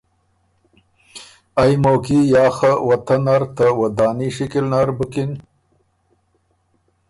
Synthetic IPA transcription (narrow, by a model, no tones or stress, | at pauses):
ajmoːkijɑːxawɐt̪ɐnaɾt̪awɐd̪ɑːniʂikilnaɾbukin